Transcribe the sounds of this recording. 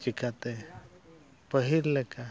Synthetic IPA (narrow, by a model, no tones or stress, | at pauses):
t͡ʃikat̪e | pəɦiɾleka